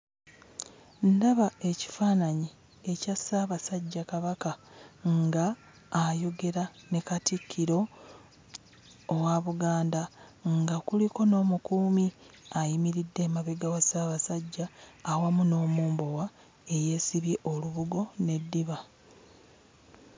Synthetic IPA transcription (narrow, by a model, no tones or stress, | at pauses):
ndaβae̞ci̥faːnaɲi | ecasaːβasaɟːakaβakaŋɡaː | jo̞ɡe̞ɾane̞katikʰːiɾo̞ | waβuɡaːndaŋɡakuliko̞no̞ːmukuːmi | ajimiɾidːe̞maβeɡawasaːβasaɟːaːwamuno̞ːmuːmbo̞wa | e̞je̞siβjeʔo̞luβuɡo̞ne̞dːiβa